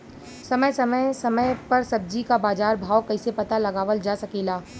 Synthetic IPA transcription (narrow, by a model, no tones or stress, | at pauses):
sɐməjsɐməjsɐməjpɐɾsɐb̚d͡ʒikabaːzaːɾbʱaːwkɐɪsepɐt̪alɐɡaːʋəld͡ʒaːsɐkiːlaː